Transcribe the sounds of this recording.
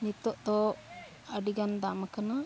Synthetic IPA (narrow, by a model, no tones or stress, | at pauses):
nit̪ːɔʔt̪ɔ | əɖiɡand̪amakana